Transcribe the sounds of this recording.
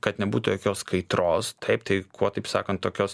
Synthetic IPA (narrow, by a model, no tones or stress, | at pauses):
kɐt̪nʲɛbuːt̪ʊjoːkʲoːskɐɪt̪ɾoːst̪ʰɐɪpt̪ɐɪkʰuɔt̪ɐɪpsɑ̰ːkɐnt̪toːkʲoːs